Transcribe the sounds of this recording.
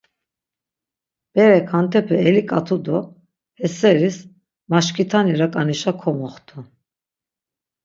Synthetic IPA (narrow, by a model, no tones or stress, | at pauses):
b̥ɛɾɛkʰant̪ʰɛpʰɛɛlikʼat̪ʰud̪ɔ | hɛsɛɾis | maʃkʰit̪ʰaniɾakʼaniʃakʰɔmɔχt̪ʰu